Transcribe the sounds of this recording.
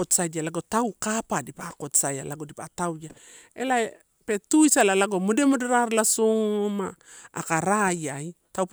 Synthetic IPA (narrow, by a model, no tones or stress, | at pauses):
otsadalaɡotawkapadipakotsajalaɡodipatawja | elae | petujsalalaɡomodemodeɾaɾlasomaːkaɾajajtawp